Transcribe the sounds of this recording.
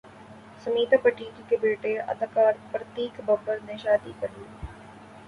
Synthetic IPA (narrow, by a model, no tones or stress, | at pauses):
sɐmiːt̪apəʈiːd͡ʒkebeːʈeɐ̰d̪kaːɾpɾət̪iːkbɐbəɾneʃaːd̪ikɐɾli